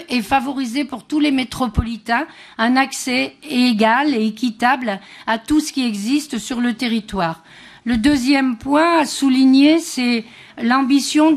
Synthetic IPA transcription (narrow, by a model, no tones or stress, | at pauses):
ɛfavɔʁizepuʁt̪ulemet̪χɔpɔlit̪ɛ̃ | ɛ̃naksɛeɡaleːkʲit̪ablat̪usə̥kʲiɛɡzist̪syʁlət̪eʁit̪waːʁ | ləd̪øzjɛmpwɛ̃asuliɲesɛ | lɑ̃bisjɔ̃